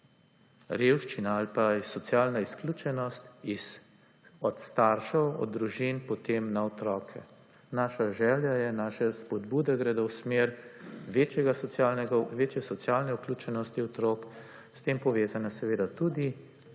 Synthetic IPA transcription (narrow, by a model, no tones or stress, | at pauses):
ɾeːwʃt͡ʃinaalpaisɔt̪sjaːlnaisklʲuːt͡ʃɛnɔst̪iz | ɔt̪st̪aɾʃɔwɔ̰d̪̚d̪ːɾuʒinpɔt̪eːmnaɔt̪ɾɔːkʰɛ | naːʃaʒɛːljajɛnaːʃɛspɔd̪buːd̪ɛɡɾɛd̪owsmeɾʋeːt͡ʃɛɡasanɡʋeːt͡ʃjɛsɔt̪sjaːlnɛuklʲuːt͡ʃɛnɔst̪iɔt̪ɾɔk | st̪eːmpɔʋeːzanasɛʋeːd̪at̪ud̪i